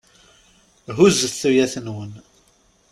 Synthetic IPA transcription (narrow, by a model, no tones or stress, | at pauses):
ɦuzθujæθənwən